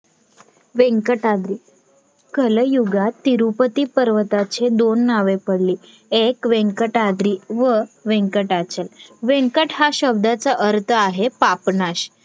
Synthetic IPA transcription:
ʋeŋkəʈad̪ɾiː | kələjuɡat̪ːiɾupət̪iːpəɾʋət̪at͡ɕed̪onːaʋepəɽliː | ekʋẽŋkəʈad̪ɾiːʋəʋẽŋkəʈat͡ɕelʋẽŋkəʈɦaɕəb̚d̪at͡səʔəɾt̪ʰəaɦepapnaɕ

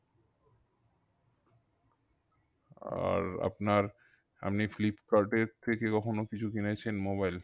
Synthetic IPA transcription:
a̰ɾa̰pnaɾ | a̰mniflipkaɾʈeɾt̪ʰekekɔkʰonokit͡ɕʰukinet͡ɕʰenmoβajl

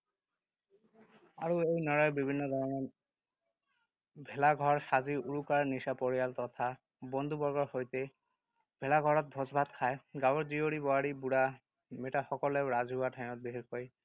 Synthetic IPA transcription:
a̰ɹuejnɔɹajbibʱinːɔd̪ɔɹɔŋɔ | bʱɛlaɡʱɔɹsaziʔuɹukaɹnisapoɹijalt̪ɔt̪ʰa | bɔnd̪ʱubɔɹɡɔɹxojt̪ɛ | bʱɛlaɡʱɔɹɔt̪̚bʱɔzbʱat̪kʰajɡawɔɹzioɹibɔaɹibuɽa | metaxɔkɔlɛʊɹazʱɦuatʰajmɔt̪̚beɦiɹkoj

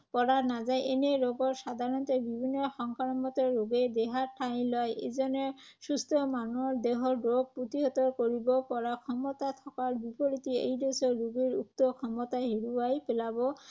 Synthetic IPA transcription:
pɔɹaɹnazajʔeneɹɔɡɔɹsad̪ʱaɹɔnt̪ɔbibʱinːɔxɔŋkʰaɹɔmɔt̪ɔɹoɡed̪eɦaɹʈʰajlɔjezɔnɔsust̪ʰɔmanuɔɹd̪eɦɔɹdɹoɡ̚put̪iɦɔt̪ɔɹkoɹibɔpɔɹakʰɔmɔt̪at̪ʰɔkaɹbipɔɹit̪iḛjdesɔːuɡiɹuk̚t̪ɔkʰɔmɔt̪aɦiɹuajpelabɔ

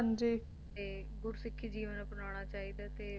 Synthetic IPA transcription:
ənd͡ʒeː | eːɡʊɾsɪkʰːiːd͡ʒiːʋənəpnaːɽ̃aːt͡ʃaːiːd̪aːt̪eː

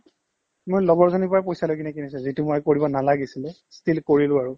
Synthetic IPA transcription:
mojlɔɡɔɹzɔnipɔɹapojsalojk̬inɛkinis̬ɛzitumojkoɹibɔnalaɡisilɛ | stʰilkoɹilʊaɹʊ

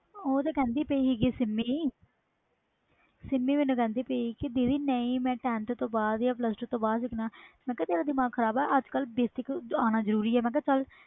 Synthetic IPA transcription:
oːt̪aːkɛ̃ːnd̪iːpəiːɦiːkiːsɪmːiː | sɪmːiːmɪnũːkɛ̃ːnd̪iːpəiːkɪd̪iːd̪iːnəĩːmɛ̃ːʈɛ̃ːnt̪t̪õːbaːd̪jãːpləsʈt̪õːbaːd̪sɪknaːmɛ̃ːkɛːt̪eːɾaːd̪ɪmaːkkʰːəɾaːbɛːʔəd͡ʒkəlbeːst̪ɪkaːnaːzəɾuːɾiːɛːmɛ̃ːk̬ɛːt͡ʃəl

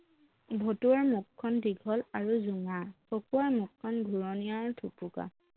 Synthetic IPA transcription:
bʱotuaɹmukʰːɔndiɡʱɔlaɹuzuŋaɹpokuaɹmukʰːɔnɡʱuɹɔniaɹtʰupuka̰

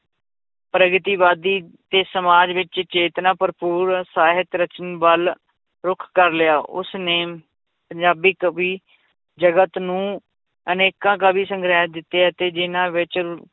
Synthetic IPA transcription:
pɾəɡɪt̪iːʋaːd̪iːt̪eːsəmaːd͡ʒʋɪt͡ʃt͡ʃeːt̪nãːpəɾpuːɾsaːɦɪt̪ɾət͡ʃənbəl | ɾʊkʰkəɾlɪjaːʔʊ̰sneː | pəɲd͡ʒaːbikʋiː | d͡ʒəɡət̪nũː | əneːkãːkaːbiːsəŋɡɾaːd̪ɪt̪ːeːɛt̪eːd͡ʒɪnãːʋɪt͡ʃ

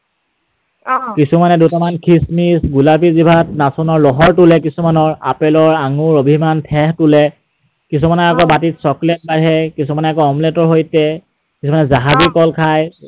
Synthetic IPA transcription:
kisumanɛdutamankʰismisɡulapizibʱatnasɔnɔɹlɔɦɔɹtulɛkisumanɔɹa̰pɛlɔɹaŋʊɹobʱimantʰɛɦtʊlɛ | kis̬umanɔakɔbatitsɔklɛt̚baɹɦɛkisumanɛakɔɔmlɛtɔɹɦojtɛ | kisumanɛzaɦazikɔlkʰaj

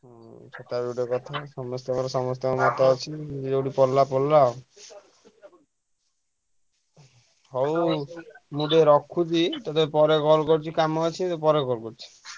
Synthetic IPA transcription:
t͡ʃʰɔt̪abuɖekɔt̪ʰasɔmɔst̪ekɔɾɔsɔmɔst̪ɔkmɔt̪ɔɔt͡ʃʰiid͡ʒd͡ʒeɖipɔɾlːapɔlla | ɦɔw | muɖeɾɔkʰːud͡ʒit̪ɔt̪epɔɾekɔɾkɔɾt͡ʃʰikamɔt͡ʃʰit̪epɔɾekɔɾkɔɾt͡ʃʰi̥

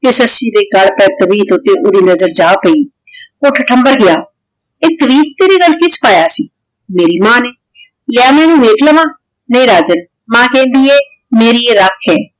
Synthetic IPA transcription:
ɪsəsĩːd̪eːɡəɽpɛːt̪əʋiːt̪ʊt̪eːʔoːd̪iːnəzəɾd͡ʒaːpəiː | oːʈʰəʈʰəmbəɾɡɪjaː | eːt̪əʋiːt̪̚t̪eːɾeːɡəlkɪspaːjaːsiː | meːɾiːmãːneː | lɪjaːmɛ̃ːnũːʋeːkʰləʋãː | nəĩːɾaːd͡ʒən | mãːkɛ̃ːnd̪iːɛː | meːɾiːeɾəkʰɛː

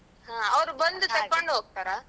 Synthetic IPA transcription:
hãːɐʋɐɾɯʋɐnd̪ɯsɛpːaɳɖɯoːk̚ʈaːɾaː

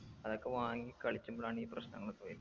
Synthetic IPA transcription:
ɐðo̞kːe̞ʋaːŋikɐɭit͡ɕːumboɭaːɳiːprɐ̰ɕnɐ̰ŋːɐɭt̪ojil

